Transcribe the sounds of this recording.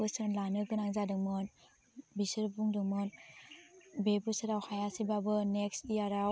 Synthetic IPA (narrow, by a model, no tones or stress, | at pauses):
ɯsɯnlanɯɡɯnaŋzadɯŋmɯn | bisɯɾbuŋdɯŋmɯn | bebɯsɯɾawhajasibabɯneksijaɾaw